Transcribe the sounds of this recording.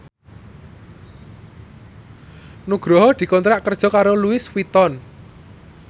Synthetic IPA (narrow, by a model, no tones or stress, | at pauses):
nuɡ̥ɾɔɦɔd̪̥i̤kɔnt̪ɾaʔkərd̥ʒ̥ɔ̤kaɾoluɪswit̪ɔn